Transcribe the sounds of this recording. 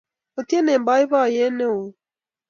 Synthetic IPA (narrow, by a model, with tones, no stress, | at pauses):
o˨ti˦e˦ne˨m̩˨ba˨˦ɪ˦βa˦˨je˦ne˦o˨